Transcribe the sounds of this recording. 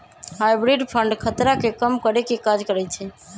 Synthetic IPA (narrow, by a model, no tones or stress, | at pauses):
ɦajbɾiɖpʰəɳɖkʰət̪ɾakekəmkəɾekekad͡ʒkəɾɛt͡ʃʰɛ